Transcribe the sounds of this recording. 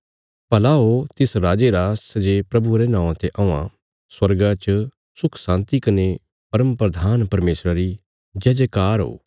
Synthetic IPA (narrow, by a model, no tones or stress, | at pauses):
pɐlaɦot̪ɪsɾaːd͡ʒeɾaːsɐd͡ʒepɾɐbuɾenãːãt̪eʔɐ̃ã̰ | swɐɾɡat͡ʃ | sʊkʰsãːnt̪ikɐne | pɐɾəmpɾɐd̪ʱaːnpɐɾmeːsɾaɾi | d͡ʒɛːd͡ʒekaːɾɦo̰ː